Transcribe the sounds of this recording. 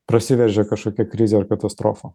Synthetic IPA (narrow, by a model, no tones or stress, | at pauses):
pɾɐsʲɪʋʲɛʒʲɛkɐʃkoːkʲɛkɾʲɪzʲɛɐɾkɐt̪ɐst̪ɾo̰ːfɐ